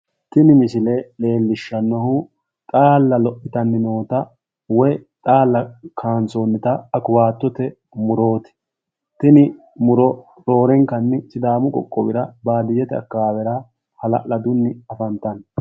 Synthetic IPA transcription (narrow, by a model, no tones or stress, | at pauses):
t̪ɪnɪmɪsɪlele̞ːlːɪʃːɐnːɐhʊ | t̪ʼaːlːɐlɔʔɪt̪ɐnːɪnoːt̪ɐ | wɔjt̪ʼaːlːɐkʰaːnsoːnːɪt̪ɐɐkʊwaːt̪ːɔt̪ɛ | mʊɾo̞ːt̪ɛ̥ | t̪ɪnɪ | mʊɾɔ | ɾo̞ːɾɛŋkɐnːɪsɪd̪aːmʊkʼɔ̰kʼːɔbɪɾɐbaːd̪ɪjɛt̪ɛɐ̰kːaːwɛɾaː | hɐlɐ̰ʔlɐd̪ʊnːɪɐfɐnt̪ɐn